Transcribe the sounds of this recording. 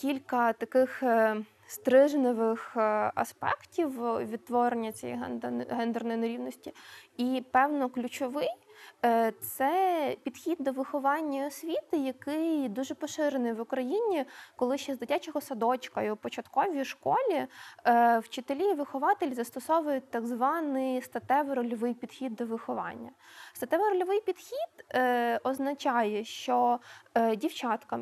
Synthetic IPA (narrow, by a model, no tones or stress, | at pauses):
kʲilʲkɐt̪ɐkɪx | st̪ɾɪʒnɪʋɪxɐ̰spɛ̰ktʲiwʋʲid̪̚t̪ʋɔɾenʲːɐt͡sʲɛjɛ̰ɦɛ̰nd̪ɦɛnd̪ɛrnɔjnɐɾʲiwnɔsʲtʲiipɛwnɔklʲut͡ʃɔʋɪj | t̪sɛpʲid̪̥xʲid̪̚ːɔʋɪxɔʋɑnʲːɐɔsʲʋʲit̪ɪjɐkɪjd̪uʒɛpɔʃɪɾenɪjʋʊkɾɐjinʲikɔlˠɪʃt͡ʃɛzd̪ɪtʲat͡ʃɔɦɔsɐd̪ɔt͡ʃkɐjupɔt͡ʃɐt̪kɔʋʲijʃkɔlʲi | wt͡ʃɪt̪elʲiʋɪxɔʋɑt̪elʲzɐst̪ɔsɔʋʊjʊt̪ːɐɡzʋɑnɪjst̪ɐt̪ɛʋeɾɔlʲɔʋɪjpʲid̪̥xʲid̪ːɔʋɪxɔʋɑ̰nʲːɐst̪ɐt̪ɛʋɐɾɔlʲɔʋɪjpʲid̪̥xʲid̪̥ɔznɐt͡ʃɑjɛʃt͡ʃɔ | dʲiwt͡ʃɑt̪kɐ